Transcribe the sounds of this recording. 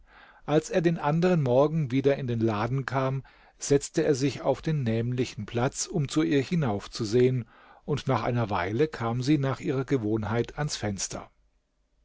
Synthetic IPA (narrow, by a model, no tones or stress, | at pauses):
ʔalsʔeːɐdeːnʔandəʁ̞ənmɔɐɡŋ̩viːdɐɪndeːnlaːdn̩kʰaːm | z̥ɛt͡stəeːɐzɪça̰ʊfd̥eːnːɛːmlɪçn̩pʰl̥at͡sʊmt͡suiːɐhɪnaʊft͡suzeːən | ʔʊntnaːχʔa̰ɪnɐva̰ɪləkʰaːmziːnaːχʔiːʁɐɡəvoːnhaɪtʰansfɛnstʰɐ̰